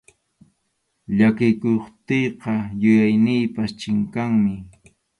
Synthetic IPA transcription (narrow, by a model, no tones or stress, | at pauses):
ʎakɪkoχt̪ejqɑjʊjajnɪjpast͡ʃɪŋkaŋmɪ